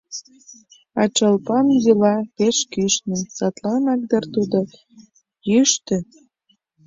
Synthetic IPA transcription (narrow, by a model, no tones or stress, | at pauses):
ɑt͡ɕəlpɑmzilɑpeʃkyʃnə̆msɑt̪lɑnɑk̚d̪ərt̪ud̪o | jyʃt̪ĕ